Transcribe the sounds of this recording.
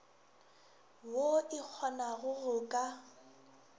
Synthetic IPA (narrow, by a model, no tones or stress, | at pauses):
woɪk͡xʰɔnaɣʊrʊkʼa